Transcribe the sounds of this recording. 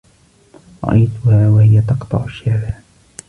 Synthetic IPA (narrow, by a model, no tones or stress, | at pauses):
ɾˤɑ̰ʔajt̪ʊhaːwahɪjat̪ɑqt̪ˤɑ̰ʕʊʃːaːlaː